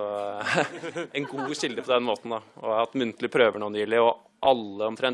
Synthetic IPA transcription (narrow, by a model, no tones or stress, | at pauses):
ɔ | ɛnɡuːɕɪld̪əpʰɔd̪ɛnmoːt̪n̩d̪ɑɔ̰ɾhɑt̪ːmʉnt̪əlɪpʰɾøːʋəɳɔːnjɪlɪɔ | ʔɑlːəɔmt̪ʰɾɛn